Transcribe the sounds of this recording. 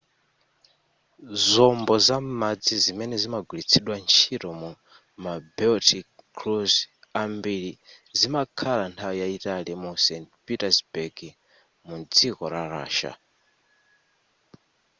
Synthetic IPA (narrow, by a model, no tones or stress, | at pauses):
zɔmbɔzamad͡zizimɛnɛzimaɡulit͡sʰɛɗwant͡ʃʰiɾɔmu | mabɛltʰikkʰluz | ambiɾizimakʰalantʰawɔjaitalɛmusɛntpitazbɛɡi | mud͡zikɔɾaɾa̰ːʃa̰